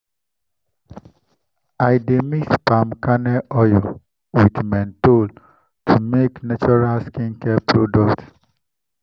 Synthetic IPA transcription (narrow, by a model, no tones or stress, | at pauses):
ajdemispamkanɛʔɔjɔ | witmɛ̃ntol | tʰumeknat͡ʃɔɹalskĩnkɛpʰɹodɔkt